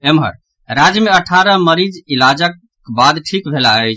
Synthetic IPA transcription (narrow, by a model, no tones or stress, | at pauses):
emɦə̰ɾ | ɾad͡ʒjəmeəʈʰaɾəməɾid͡ʒilad͡ʒək | bad̪ʈʰikbʱelaəjt͡ʃʰ